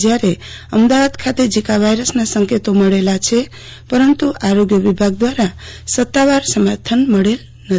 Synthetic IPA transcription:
d͡ʒjaɾe | əmd̪aʋad̪kʰat̪ed͡ʒikabʱajɾəsnasəŋket̪oməɽelat͡ʃʰe | pəɾənt̪uʔaɾoɡjəʋibʱaɡ̚d̪waɾasət̪ːaʋaɾsəmaɾt̪ʰənməɽel | nət̪

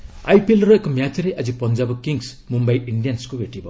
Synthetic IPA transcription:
ajpʰilɾɔekːɔmjatɾeʔad͡ʒipɔnd͡ʒabɔkiŋs | mumbajinɖijanskobeʈibɔ

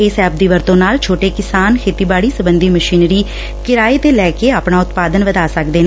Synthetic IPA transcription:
eːsɛːb̚d̪iːʋəɾt̪õːnaːlt͡ʃʰoːʈeːkɪsaːnkʰeːt̪iːbaːɽiːsəbənd̪iːməʃiːnɾiː | kɪɾaːeːt̪eːlɛːkeːaːpɳaːʊt̪paːd̪ənʋəd̪aːsəkd̪eːna

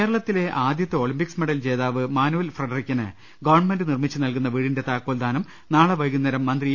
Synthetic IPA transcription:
eːɾɐɭɐt̪ːile̞ʔaːd̪jɐt̪ːɨo̞ːɭimpiksmeɽɐld͡ʑe̞ːðaːʋɨmaːnuʋɐlfrɐɖɐrikʲːɐnɨ̰ | ɡɐʋɐrɳme̞ndɨnirmit͡ɕːɨnɐlkun̪ːɐʋiːɽinde̞t̪aːkːoːld̪aːnɐm | naːɭɐʋɐjɣunːɐɾɐmːɐnd̪ri

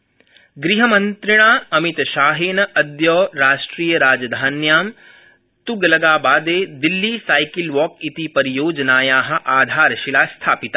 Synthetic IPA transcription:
ɡɾiɦɐmɐnt̪ɾɪɽ̃aːɐmit̪ʃaːɦeːnɐɐd̪joːɾaːʃʈɾiːjɐɾaːd͡ʒɐd̪ʱaːnjaːm | t̪uɡɐlɐɡaːbaːd̪eːd̪ilːiːsaːjkilʋɔːkit̪ipɐɾijoːd͡ʒɐnaːjaːɦɐ̆ʔaːd̪ʱaːɾʃilaːst̪ʰaːpit̪a

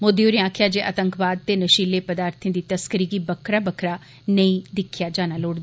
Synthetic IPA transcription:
mod̪iːoːɾẽãːkʰjaːd͡ʒeːʔət̪əŋkʰbaːd̪̚t̪eːnəʃiːleːpəd̪aːɾt̪ʰẽːd̪iːt̪əskəɾiːɡiːbəkʰɾaːbəkʰɾaː | nəĩːd̪ɪkʰːjaːd͡ʒaːnaːloːɽd̪aː

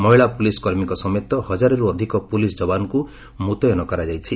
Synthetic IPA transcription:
mɔɦiɭapuliskɔɾmikɔsɔmɔt̪ɔhɔd͡ʒaɾɔɾuɔd̪ʱikɔpulisd͡ʒɔbanɔku | mut̪ɔjɔnɔkɔɾad͡ʒajt͡ʃʰi

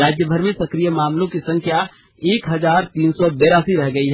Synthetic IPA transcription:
aːd͡ʒjəbʱəɾmẽsɐkɾijəmaːmlõkisɐ̃ŋkʰja | eːkɦɐzaːɾt̪iːnsɔbeːɾaːsiɾɛɦɡɐiɦɛ

